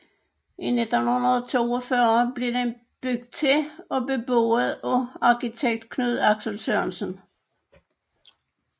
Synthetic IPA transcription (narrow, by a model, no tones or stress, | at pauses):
ʔined̥ɔn̩hunɐðˠt͡sʰo̝̰ːɒfɶɐb̥le̝ɐd̥en | b̥yɡ̥̚d̥̚t͡sʰe̝ɒ̽be̝b̥o̰ːð̩ˠɔɑ̈kit͡sʰeɡ̥̚d̥̚kʰnyð̞̰ˠɑ̈ɡ̥səl̩søɐnsən